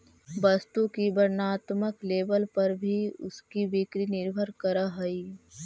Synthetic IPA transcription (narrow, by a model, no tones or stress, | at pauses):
bɐst̪ukibəɾnaːt̪məkleːbəlpɐɾbʱiʊ̰skibɪkɾinɪɾbʱəɾkəɾaɦɐiː